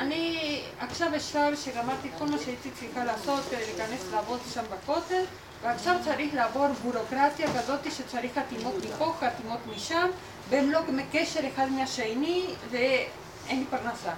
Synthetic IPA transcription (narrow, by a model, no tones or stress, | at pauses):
ani | akʃaveʃavʃeɡamaɾt̪itkolmoʃeit͡sit͡sixalaːso̞t̪lekaneslaavo̞t̪ʃambako̞tel | veakʃavt͡saɾixleaːvo̞ɾbuɾo̞kɾatjaɡazo̞t̪iʃet͡saɾixat̪imo̞t̪mikokat̪imo̞t̪miʃam | beemlo̞ɡmekeʃe̞ɾexad̪meaʃejnive | enipaɾnasa